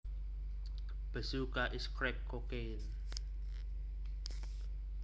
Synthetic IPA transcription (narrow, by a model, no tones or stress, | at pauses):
b̥əsukaʔiskʰɹɛkʰːɔke | n